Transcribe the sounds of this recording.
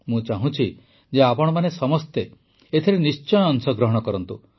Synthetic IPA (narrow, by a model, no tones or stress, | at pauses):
mũt͡ʃaɦũt͡ʃʰi | d͡ʒeapɔɽ̃ɔmanesɔmɔst̪e | et̪ʰiɾenist͡ʃɔjɔnsɔɡɾɔɦɔɽ̃ɔkɔɾɔnt̪u